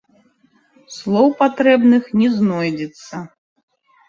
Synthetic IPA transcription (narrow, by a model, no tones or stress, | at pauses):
slˠɔwpat̪ɾɛbnɨxnʲɛznɔjd͡zʲɛt̪sːɐ